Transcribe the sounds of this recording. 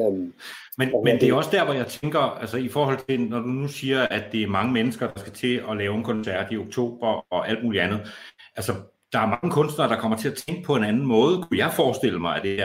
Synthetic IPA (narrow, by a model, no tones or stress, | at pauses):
menmend̥e̝joɒ̽sd̥æɐ̰ʋɒjɑ̈ɪt͡sʰeŋɡ̥ɐælsəifɒːhɒ̽l̰t͡sʰe̝nɒd̥unusiːɐʔæd̥e̝æɐmɑ̈ŋəmenəsɡ̥ɐd̥ɑ̈sɡ̥æt͡sʰe̝ɒ̽lɛːʊe̝nkʰɒ̽nsæɐ̰d̥io̝ɡ̥̚t͡sʰo̝̰ːb̥ɐɒ̽ʔæld̥̚muːliænð̩ˠʔælsɒ | d̥ɑ̈æɐmɑ̈ŋəkʰɔ̽nsd̥nɐd̥ɑ̈kʰɒ̽m̰ɐt͡sʰe̝æt͡sʰeŋɡ̥əpʰɒ̽e̝nænn̩mɔ̽ːð̞ˠəkʰujɑ̈ɪfɒːsd̥e̝l̰əmɑ̈ɪæd̥eɐ